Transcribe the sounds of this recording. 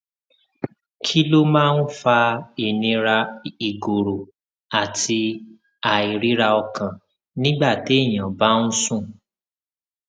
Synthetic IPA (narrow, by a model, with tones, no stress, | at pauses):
kʰi˦lo˦mãː˦˧n̩˦fa˧i˨nĩ˧ɾa˧i˨ɡo˨ɾo˨ | a˨tʰi˧ | a˨i˨ɾi˨˦ɾa˧ɔ˧kã˨ | nĩ˦ɡ͡ba˦˨te˨˦i˦˨j̃ã˨ba˨˦n̩˦sũ˦˨